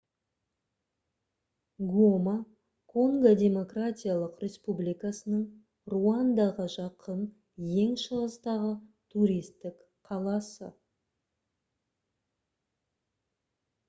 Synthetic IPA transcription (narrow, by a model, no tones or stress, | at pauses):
ɡoma | kʰoŋɡadʲe̞mo̞kratʲijalˠəqɾʲʔe̞spublijkasənəɴ | ruɑnd̪ɑʁəʒɑqʰən | je̞ŋʃəʁəst̪ɑʁət̪ʰuɾijst̪ɪk | qʰɑlˠɑsə̰